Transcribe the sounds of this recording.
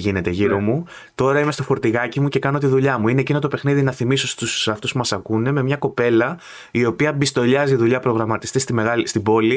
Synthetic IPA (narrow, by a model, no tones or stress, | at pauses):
ʝine̞t̪e̞ʝiɾo̞mu | t̪o̞ɾɐime̞st̪o̞fo̞ɾt̪iɣɐcimuce̞kɐno̞t̪iðuʎɐmuine̞ːcino̞t̪ope̞xniðinɐθimiso̞st̪usɐft̪uspumɐsɐkune̞me̞mɲɐko̞pe̞lɐ | io̞piɐbist̪o̞ʎɐziðuʎɐpɾo̞ɣɾɐmɐt̪i̥st̪est̪ime̞ɣɐlst̪ibo̞li